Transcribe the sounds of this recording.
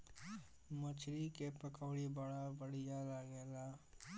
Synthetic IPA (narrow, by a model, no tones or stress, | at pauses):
mət͡ʃʰɾikepəkoːɽibəɽabəɽɪjalaɡeːlaː